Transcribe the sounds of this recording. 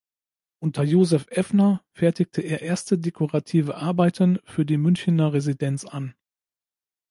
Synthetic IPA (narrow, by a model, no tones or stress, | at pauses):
ʔʊntʰɐjoːzɛfʔɛfnɐfɛɐtɪç̚tʰəʔeːɐʔeːɐstədekʰoʁatʰiːvəʔaɐbaɪtənfyːɐdiːmʏnçɪnɐʁezidɛnt͡san